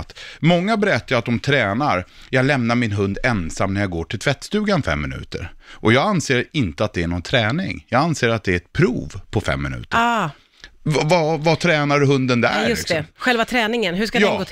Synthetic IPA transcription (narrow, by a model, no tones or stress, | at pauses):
t̪mɔŋːabɛɾɛt̪ːaɾat̪̚d̪ɔmt̪ʰɾɛːnaɾjɑːɡlɛmnaɾmɪnɦɵnd̪ɛnsamnæɾjaɡoːʈʰɪlt̪ʰvɛt̪ːst̪ʉ̟ːɡanfɛ̰mːɪnʉ̟̰ːt̪ə̰ɾʔɔjɑːɡanseːɾɪnt̪əat̪̚d̪ɛːɳɔnt̪ʰɾɛːnɪ̰ŋjɑːɡanseːɾat̪̚d̪ɛɾɛt̪̚pʰɾṵːvpʰɔfɛ̰mːɪ̰nʉ̟̰ːt̪ə | vavat̪ʰɾɛːnaɾɦɵnd̪ənd̪æ̰jɵɪ̰tksɔɛɧɛlvat̪ʰɾɛːnɪŋənɦɵʂkadjɑːɡoː